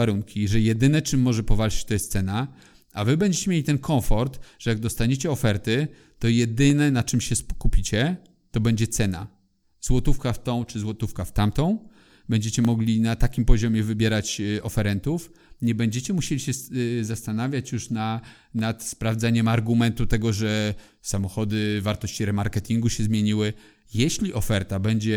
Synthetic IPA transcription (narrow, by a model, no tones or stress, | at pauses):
aɾuŋkʲiʐɛjɛd̪ɘnɛt͡ʂɘmːɔʐɛpɔvalt͡ʂɪ̥t͡ɕt̪ɔjɛst̪sɛna | avɘbɛɲd͡ʑet͡ɕɛmʲjelit̪ɛnkʰɔ̃wfɔɾt̪ʐ̥ɛjaɡ̚d̪ɔst̪aɲet͡ɕɛɔfɛɾt̪ɘ | t̪ɔjɛd̪ɘnɛnat͡ʂɘmɕɛskupʲit͡ɕɛ | t̪ɔbɛɲd͡ʑɛt̪sɛna̰ | zwɔt̪ufkaft̪ɔ̃w̃t͡ʂɘzwɔt̪ufkaft̪amt̪ɔ̃w̃ | bɛɲd͡ʑet͡ɕɛmɔɡlʲinat̪akʲimpɔʑɔmʲjɛvɘbʲjɛɾat͡ɕɔfɛɾɛnt̪ufɲɛbɛɲd͡ʑɛt͡ɕɛmuɕelʲiɕɛzast̪anavʲjat͡ɕjuʂna | nat̪spɾavd̪zaɲɛmaɾɡumɛnt̪ut̪ɛɡɔʐɛ | samɔxɔd̪ɘvaɾt̪ɔɕt͡ɕiɾɛmaɾkɛt̪ʲiŋɡuɕɛzmʲjeɲiwɘ | jɛɕlʲiʔɔfɛɾt̪abɛɲd͡ʑɛ